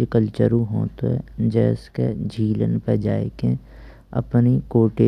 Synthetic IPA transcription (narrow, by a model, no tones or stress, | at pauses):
ekəlt͡ʃəɾũɦoːt̪oɦɛ̰d͡ʒɛːskḛd͡ʒʱiːlə̰npɛd͡ʒaːekẽ | ɐ̰pnikoːʈeː